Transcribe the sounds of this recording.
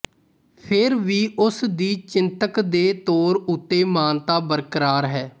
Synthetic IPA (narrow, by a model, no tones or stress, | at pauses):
pʰɪɾʋiːʔʊsd̪iːt͡ʃɪnt̪əkd̪eːt̪oːɾʊt̪ːeːmaːnt̪aːbəɾkəɾaːɾɦɛː